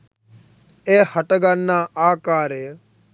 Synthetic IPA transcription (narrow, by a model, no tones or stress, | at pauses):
eːhəʈɡanːãːʔaːkaːɾeː